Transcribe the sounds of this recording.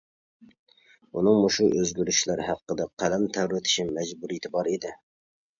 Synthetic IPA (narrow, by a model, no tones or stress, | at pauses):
unɨŋmuʃuʔøzɡʲyɾyʃlæɾhæqːəd̪ɛqʰælɛmt̪ʰæwɾɪt̪ʰɪ̥ʃimɛd͡ʒbuɾijit̪ʰɪbɑɾid̪ɪ